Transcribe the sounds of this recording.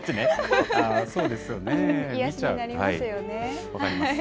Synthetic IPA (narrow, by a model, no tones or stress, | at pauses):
t̪ːeneasoːd̪e̞sɨjoneit͡ɕaɯaɾihaijoneβakaɾʲima